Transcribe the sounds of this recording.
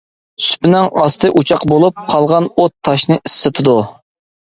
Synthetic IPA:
sy̥pɪnɪŋɑst̪ʰɨʔut͡ʃʰɑqbolˠup̚qʰɑlˠʁɑnot̪ʰːɑʃnɨʔisːɨt̪ʰɨd̪u

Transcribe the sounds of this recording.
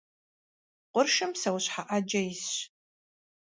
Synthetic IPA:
qʷʊrʃɨmsɐwɕħaʔad͡ʒɐjɪs

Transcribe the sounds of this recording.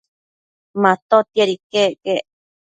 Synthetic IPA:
mãt̪ot̪ieɾikeke

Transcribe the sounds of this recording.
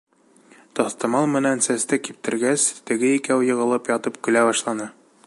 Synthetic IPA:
t̪ɒθt̪ɑmɑlˠmɘ̆nænsæst̪ɘkip̚t̪ɘ̆ɾɡæst̪ɘ̆ɡɘikæwjɤ̆ʁɤ̆lˠɤpjɒt̪ɤpkɵ̆læbɒʃlˠɑnɤ

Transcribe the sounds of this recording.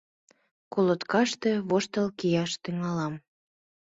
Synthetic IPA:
kolət̪kɑʃt̪eβoʃt̪əlkijɑʃt̪yŋɑlɑm

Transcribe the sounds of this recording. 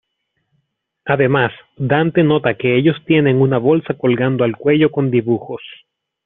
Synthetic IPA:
aðe̞mas | d̪ant̪e̞no̞t̪ake̞e̞ʝo̞st̪je̞ne̞ŋunaβo̞lsako̞lɡand̪oalkwe̞ʝo̞ko̞nd̪iβuxo̞s

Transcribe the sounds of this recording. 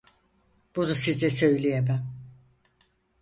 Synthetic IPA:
b̥unusizɛsø̞jlʲijebæm

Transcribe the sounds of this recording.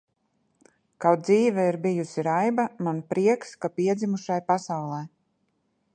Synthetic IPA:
kawt̪̚dziːvɛiɾbijusiɾajbamanpɾiɛkskapiɛd̪zʲimuʃajpasawlˠɛj

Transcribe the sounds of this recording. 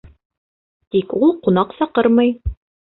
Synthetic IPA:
t̪ikulˠqunɑqsɑqɤɾmɤj

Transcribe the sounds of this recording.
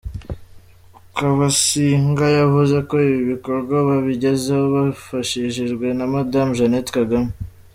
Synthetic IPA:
kaβasiŋɡajavuze̞ko̞iβiβiko̞ɾɡwaβaβiɟe̞zehoβafaʃiʃiʒɡwe̞namadamʒanetkaɡame

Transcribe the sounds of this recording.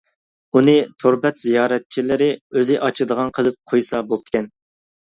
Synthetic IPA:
unɨt̪ʰoɾbɛt̪zijɑːɾɛt̪̚t͡ʃʰilɪɾɪøzɪʔɑt͡ʃʰɨd̪əʁɑnqʰəlˠɨp̚qʰojsɑbop̚t̪ʰɪ̥ɛn

